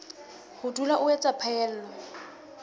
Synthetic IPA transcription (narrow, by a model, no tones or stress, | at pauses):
hʊdulaʔʊɛt͡sʼapʰaɛːl̩ːlɔ